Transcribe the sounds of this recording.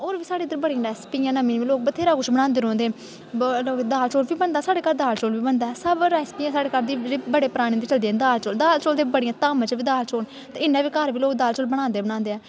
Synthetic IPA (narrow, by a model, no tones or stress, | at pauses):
oːɾʋiːsaːɽeːd̪əɾbəɽiːãːɖɛːspiːãːnəmiːʋiːloːkbət̪ʰeːɾaːkʊt͡ʃʰbəɽ̃ãːnd̪eːɾõːnd̪eː | loːkd̪aːlt͡ʃoːɽʋiːbənd̪aːsaːɽeːkaːɾd̪aːlt͡ʃoːlʋiːbənd̪aːsəbɾɛːspiːãːsaːɽeːkaːɾd̪iːɾiːbəɽeːpəɾaːɽ̃ĩːd̪iːt͡ʃəld̪iːɛːd̪aːlt͡ʃoːld̪aːlt͡ʃoːld̪eːbəɽijãːt̪aːmãt͡ʃʋiːd̪aːlt͡ʃoːn | t̪eɪnːɛ̃ːʋiːkaːɾʋiːloːkd̪aːlt͡ʃoːlbəɽ̃ãːnd̪eːbəɽ̃ãːnd̪eːɛː